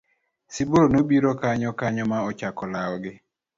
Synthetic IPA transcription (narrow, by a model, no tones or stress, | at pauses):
siboɾonobiɾɔkaɲɔkaɲɔmaɔt͡ʃakɔlaɔɡɪ